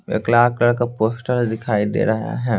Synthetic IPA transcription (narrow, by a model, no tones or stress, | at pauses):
ḛːklaːklɐɽkapoːsʈəɾd̪ɪkʰaːid̪ḛːɾɐɦa̰ɦɛː